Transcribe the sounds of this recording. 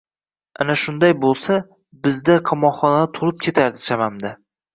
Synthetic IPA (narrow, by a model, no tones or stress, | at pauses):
a̰naʃʊnd̪ajbolˠsa | bɪzd̪aqʰɑmɒχɒnad̪ɪt̪ʰʊlˠɪp̚kʲʰe̞t̪ʰaɾd̪ɪt͡ʃʰamamd̪a